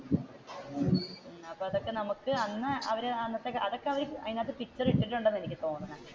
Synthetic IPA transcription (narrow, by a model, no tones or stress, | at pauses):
ɐpːoːɐðo̞kːe̞nɐmukːɨɐnːɨʔɐʋɐɾeɐnːɐt̪ːekːeʔɐðo̞kːe̞ɐʋɐɾiɐjnaːt̪ːɨpitːɐriʈːiʈːiluɳɖenːɨenikʲːɨt̪o̞ːnːɐŋa